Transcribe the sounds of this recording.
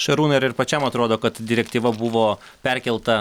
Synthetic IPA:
ʃɐɾuːnɐɪɾɪɾpɐt͡ʃʲɛmɐt̪ɾoːd̪oːkɐt̪d̪ʲɪɾʲɛkt̪ʲiːʋɐbʊʋoː | pʲɛɾʲkʲɛlˠt̪ɐ

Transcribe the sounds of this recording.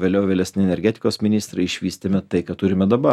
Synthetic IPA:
ʋʲeːlʲɛʊʋʲeːlʲɛsʲnʲɪɛnʲɛɾʲɡʲɛːt̪ʲɪ̥koːsmʲɪnʲiːst̪ɾɐɪɪʃʲʋʲiːsʲt̪ʲemʲɛt̪ɐɪkɐt̪ʊɾʲɪmʲɛd̪ɐbɐ

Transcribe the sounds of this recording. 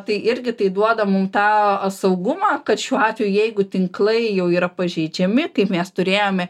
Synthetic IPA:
t̪ɐɪʔɪɾʲɡʲɪt̪ɐɪd̪uɔd̪ɐmʊmt̪ɑːsɐʊɡʊmɑːkɐt̪ʃʲuːɑːt̪ʲʋʲejuʊjɛɪɡʊt̪ʲɪŋklˠɐɪjɛʊiːɾɐpɐʒʲɛɪd͡ʒʲɛmʲɪkɐɪpmʲɛst̪ʊɾʲeːjoːmʲɛ

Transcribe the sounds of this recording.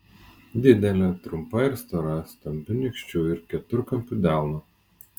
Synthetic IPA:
d̪ʲɪd̪ʲɛlʲɛt̪ɾʊmpɐɪɾst̪ɔɾɐst̪ɐmʲbʲʊnʲɪkʃʲt͡ʃʲʊɪɾkʲɛt̪ʊɾkɐmʲpʲʊd̪ʲæˑlˠnʊ

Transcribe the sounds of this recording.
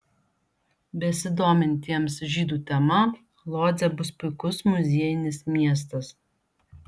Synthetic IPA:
bʲɛsʲɪd̪oːmʲɪnʲt̪ʲiɛmsʒʲiːd̪uːt̪ʲɛmɐ | lˠoːd̪zʲɛbʊspʊɪkʊsmʊzʲiɛjɪnʲɪsmʲiɛs̬t̪ɐs

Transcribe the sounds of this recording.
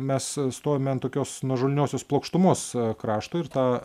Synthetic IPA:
mʲɛsst̪oːjʲomʲɛnt̪oːkʲoːsnuɔʒoːlʲnʲoːsʲoːsplˠɐʊkʃt̪ʊmoːskɾɑːʃt̪oːɪrt̪ɑː

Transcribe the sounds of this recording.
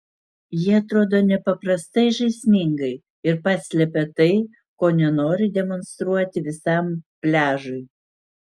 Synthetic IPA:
jiɛɐt̪ɾoːd̪oːnʲɛpɐpɾɐst̪ɐɪʒɐɪsʲmʲɪŋɡɐɪ | ɪɾpɑːsʲlʲɛpʲɛt̪ɐɪ | koːnʲɛnoːɾʲɪd̪ʲɛmɔnst̪ɾuɔt̪ʲɪʋʲɪsɐmpʲlʲæːʒʊɪ

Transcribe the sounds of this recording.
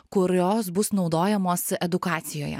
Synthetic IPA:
kʊɾʲoːsbʊsnɒʊd̪oːjɛmoːsɛd̪ʊkɑːt̪sʲɪjo̰ːjɛ̰

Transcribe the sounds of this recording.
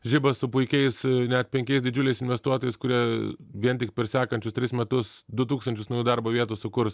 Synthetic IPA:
ʒʲɪbɐssʊpʊɪkʲɛɪsnʲɛt̪̚pʲɛŋʲkʲɛɪsd̪ʲɪd͡ʒʲʊlʲɛɪsɪnʲʋʲɛst̪uɔt̪oːjɛɪskʊɾʲiɛʋʲiɛnt̪ʲɪk̚pʲɛɾsʲæːkɐnʲt͡ʃʲʊst̪ʲɾʲɪsmʲɛt̪ʊsd̪ʊt̪̬uːkst̪ɐnʲt͡ʃʲʊsnɐjuːd̪ɐɾboːʋʲiɛt̪uːsʊkʊɾs

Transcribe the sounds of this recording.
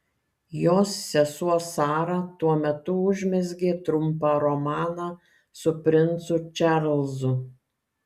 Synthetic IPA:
joːsːʲɛsuɔsɑːɾɑt̪uɔmʲɛt̪ʊʊʒʲmʲɛzʲɡʲeːt̪ɾʊmpɑɾɔmɑːnɑː | sʊpʲɾʲɪnt̪sʊt͡ʃʲæɾlˠzʊ

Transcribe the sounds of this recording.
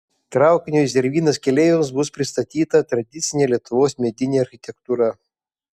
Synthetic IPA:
t̪ɾɑˑʊkʲɪnʲos̬ʲɛɾʲʋʲiːnɐskʲɛlʲeːʋʲɪmsbʊspʲɾʲɪst̪ɐt̪ʲiːt̪ɐt̪ɾɐd̪ʲɪt̪sʲɪnʲeːlʲiɛt̪ʊʋoːsmʲɛd̪ʲɪnʲeːɐɾʲxʲɪt̪ʲɛkt̪uːɾɐ

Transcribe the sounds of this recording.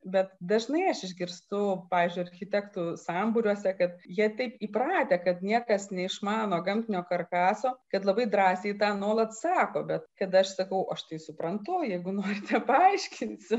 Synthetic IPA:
bʲɛt̪d̪ɐʒnɐɪɐʃɪʒʲɡʲɪɾst̪ʊpɑːʋʲiːzʲd͡ʒʲʊɪɐɾʲxʲɪt̪ʲɛkt̪usɑːmbʊɾʲuɔsʲɛkɐt̪jiɛt̪ʲɛɪpiːpɾɑːt̪ʲeːkɐt̪nʲiɛkɐsnʲɛɪʃmɑːnoːɡɐmʲt̪ʲɪnʲoːkɐrkɑːsoːkɐt̪lˠɐbɐɪd̪ɾɑːsʲeɪt̪ɑːnuɔlˠɐt̪sɑːkoːbʲɛt̪kɐt̪ɐʃsɐkɐʊʔɐʃt̪ɐɪsʊpɾɐnt̪ʊjɛɪɡʊnoːɾʲɪt̪ʰʲɛpɐɐɪʃʲkʲɪnʲsʲɪ

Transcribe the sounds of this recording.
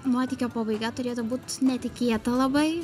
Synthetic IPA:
moːt̪ʲiːkʲoːpoːbɐɪɡɐt̪ʊɾʲeːt̪obuːt̪nʲɛt̪ʲɪkʲeːt̪ɐlˠɐbɐɪ

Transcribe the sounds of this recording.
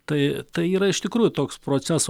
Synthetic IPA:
t̪ɐɪt̪ɐɪiːɾɐɪʃt̪ʲɪkɾuːjʊt̪oːkspɾoːt͡s̪ʲæs

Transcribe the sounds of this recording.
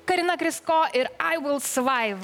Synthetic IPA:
kɐɾʲɪnɐkɾʲɪskoːʔɪɾaɪʋɪlˠsʋɐɪʋ

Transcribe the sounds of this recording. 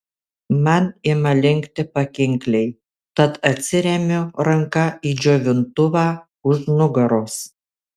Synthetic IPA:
mɐnɪmɐlʲɪŋʲkt̪ʲɪpɐkʲɪŋʲklʲɛɪ | t̪ɐt̪ɐt̪ʲsʲɪɾʲɛmʲʊɾɐŋkɐiːd͡ʒʲoːʋʲɪnt̪ʊʋɑː | ʊʒnʊɡɐɾoːs

